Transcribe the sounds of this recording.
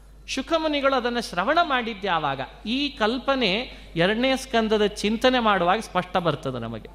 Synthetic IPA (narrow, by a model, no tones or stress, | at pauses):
ʃukʰɐmɐniɡɐɭuɐd̪ɐnːɐʃɾɐʋɐɳɐmaːɽid̪ːjaːʋaːɡɐ̰ | iːkɐlpɐne̞ | ɛɾɐɽɐnejɐskɐnd̪ɐd̪ɐt͡ʃint̪ɐne̞maːɽuʋaːɡɐspɐʂʈɐbɐɾt̪ɐd̪enɐ̰mɐ̰ɡe